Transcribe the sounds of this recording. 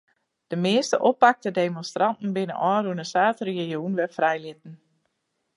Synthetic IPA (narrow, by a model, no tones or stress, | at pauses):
d̥əmɪəstəʔɔpːak̚tədeːmonstrantn̩bɪnə̰ʔɔːɾunəsaːtreejuːnʋɛfrɛjlɪt̚n̩